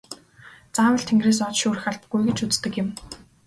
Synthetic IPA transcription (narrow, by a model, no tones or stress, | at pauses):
t͡sawə̆ɬt̪ʰĕŋɡreːs̬ɔt͡ɕʃuːɾɘ̆xaɮp̪ɡujɡĕt͡ɕut͡st̪ɘ̆kjɪ̆m